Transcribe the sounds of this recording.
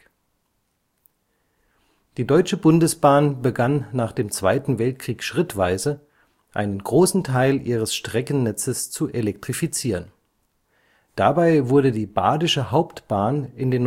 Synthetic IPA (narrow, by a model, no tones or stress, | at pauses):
d̥iːdɔʏt͡ʃəbʊndəsb̥aːnbəɡanːaːχd̥eːmt͡sv̥aɪtn̩vɛlt̚kʁ̥iːkʃʁ̥ɪtv̥aɪzə | ʔa̰ɪnənɡʁoːsn̩tʰaɪlʔiːʁ̞əsʃtʁ̥ɛkn̩nɛt͡səst͡suʔelɛk̚tʁ̥ifit͡siːʁən | d̥abaɪvʊɐdədiːba̰ːdɪʃəhaʊptb̥aːnɪndeːn